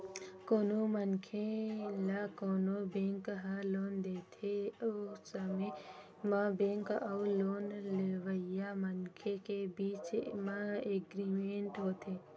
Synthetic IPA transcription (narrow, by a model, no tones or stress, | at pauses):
koːnomənkʰelakoːnobẽŋkɦəloːnd̪et̪ʰeosəme | mãbẽŋkauloːnleʋəjamənkʰekebiːt͡ʃmãeɡɾimeɳʈɦoːt̪ʰe